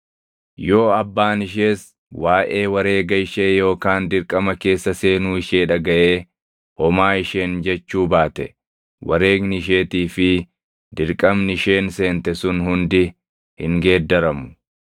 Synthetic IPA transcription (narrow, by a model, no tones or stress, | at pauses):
jo̞ːɐbːaːnɪʃ̬e̞ːs | waːʔe̞ːwɐɾe̞ːɡɐɪʃeːjo̞ːkaːnd̪ɪɾkʼɐmɐke̞ːsːɐse̞ːnuːɪʃeːᶑɐɡɐʔeː | ʔɔmaːɪʃe̞ːnd͡ʒɛt͡ʃːuːbaːt̪ɛ | wɐ̰ɾe̞ːɡnɪʃ̬e̞ːt̪iːfɪ | d̪ɪɾkʼɐmnɪʃe̞ːnse̞ːnt̪ɛsʊnhʊnd̪ɪ | hɪŋɡe̞ːd̪ːɐɾɐmʊ̥